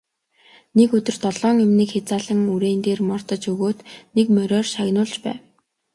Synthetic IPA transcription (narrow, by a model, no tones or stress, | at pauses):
nekɵt̪ɵ̆r̥t̪ɔɮɔːŋemniːkxet͡saːɮə̆ŋuɾeːnt̪eːrmɔr̥t̪ə̆t͡ɕɵɣoːt̪nekmœɾʲɔːrʃaɣnʊːɮt͡ɕpæ̰ːw